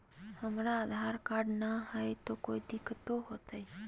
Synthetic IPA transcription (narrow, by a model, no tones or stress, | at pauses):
həmɾaːd̪ʱaɾkaɖnaɦəjt̪okoːid̪ɪkt̪oɦot̪əj